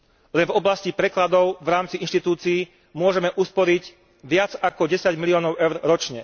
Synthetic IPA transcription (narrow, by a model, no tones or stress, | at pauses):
lɛnvɔblascipɾɛklad̪ɔʊvɾaːmt͡siinʃt̪it̪uːt͡siː | mʊɔʒɛmɛʔuspɔɾiɟ | ʋɪad͡zakɔɟɛsaɟmiliɔːnɔʊɛʊɾɾɔt͡ʃɲɛ